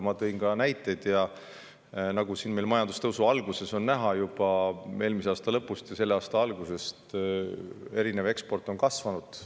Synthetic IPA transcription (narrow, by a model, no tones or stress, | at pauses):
mɑt̪ɤinkɑnæjt̪ːˑe̞d̪̥jɑ | nɑɡ̥usinme̞jlmɑjɑnd̪̥ust̪ɤwsuɑlɡ̥use̞so̞nːæɦɑjub̥ɑe̞ːlmiseɑːst̪ɑlɤpːˑust̪jɑse̞lːeɑːst̪ɑɑlɡ̥use̞st̪ | e̞ɾine̞ve̞kspo̞rt̪ːˑo̞nkɑsvɑnud̪̥